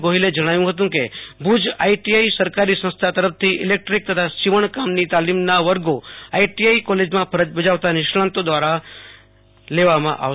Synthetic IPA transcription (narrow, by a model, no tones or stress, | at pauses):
ɡoɦiled͡ʒəɽ̃aʋjũɦət̪̬ũkebʱud͡ʒa̰iʈiaisəɾkaɾisə̃nst̪ʰat̪əɾəpt̪ʰiʔɪlek̚ʈɾik̚t̪ət̪ʰaʃiʋəɳkamnit̪alimnaʋəɾɡoaiʈiaikɔled͡ʒmãpʰəɾəd͡ʒbəd͡ʒaʋt̪anɪʃɭãnt̪od̪ʋaɾa | leʋamã̰ʔa̰ʋ